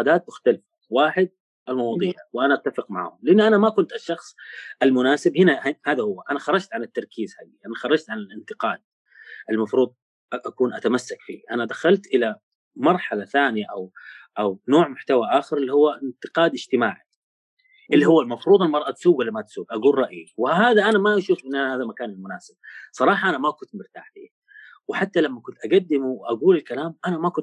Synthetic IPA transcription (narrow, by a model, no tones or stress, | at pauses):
qɑd̪aːt̪̚mʊxt̪alɪfawaːħɪd̪̚ | ʔalmɑwɑːd̪ˤiːʕwɪʔanaʔat̪ːafɪqma̰ʕhʊmlɪʔanːʔanamakʊnt̪aʃːɑxsˤʔalmʊnaːsɪbhɪnahhaːðahʊwːaʔanaxɑɾˤːɑd͡ʒt̪ʕanɪt̪ːɑɾˤkiːzhaːd̪iʔanaxɑɾˤɑd͡ʒt̪ʕanɪlɪnt̪ɪqɑːd̪̥̚ | ʔɪlmɑfɾuːd̪ˤ | ʔakuːnʔat̪amasːakfḭːʔanad̪axalt̪ʔɪla | mɑɾˤħalaθaːnijaʔawʔawnoːʕmʊħt̪awaʔaːxɪɾɪlːihʊwːaʔɪnt̪ɪqɑːd̪ɪd͡ʒt̪ɪmaːʕi | ʔɪlːihʊwːalmɑfɾuːd̪ˤɪlmɑɾˤʔɑt̪suːɡwalːamat̪suːɡʔaɡuːlˤɾˤɑʔʔiwɪɦaːðaʔanamaʔaʃuːfʔɪnːʔahaːðamakaːnɪlmʊnaːsɪb̥̚sˤɑɾˤɑːħɑʔanamakʊnt̪mɪɾt̪a̰ːħbḭː | wɪħat̪ːalamːakʊnt̪ʔaɡad̪ːɪmuwʔaɡuːlɪlkalaːmʔanamakʊn